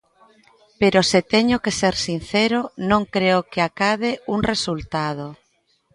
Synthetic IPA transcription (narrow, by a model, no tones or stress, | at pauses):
peɾoset̪eɲʊkeseɾsin̟θeɾonõŋkɾeokeakaðeuŋresult̪að̞o